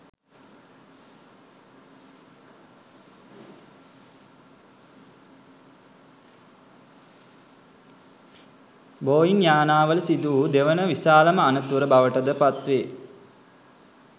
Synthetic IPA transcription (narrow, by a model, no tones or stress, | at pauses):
boːjinjaːnaːʋəlsid̪uːd̪eʋənəʋisaːləməanət̪uɾəbaʋəʈəd̪əpat̪ʋeː